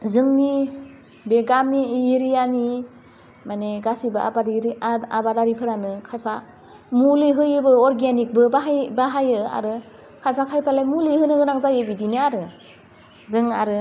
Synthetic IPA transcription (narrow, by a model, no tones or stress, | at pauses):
zɯŋni | beɡamiiɾijani | maneɡasibaa̰baɾabadaɾipʰɯɾanɯkʰajpʰa | muliɦɯjɯbɯɔɾɡenik̚bɯbaɦabaɦajɯa̰ɾɯ | kʰajpʰakʰajpʰalajmuliɦɯnɯɡɯnaŋzajebidinɯaɾɯ | zɯŋa̰ɾɯ